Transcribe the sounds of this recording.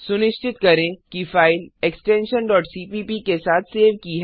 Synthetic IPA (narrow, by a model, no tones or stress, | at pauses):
sʊnɪʃt͡ʃɪt̪kɐɾẽkifaːɪleksʈẽːnʃənɖɔːʈsiːpiːpikesaːt̪ʰseːʋkiɦɛ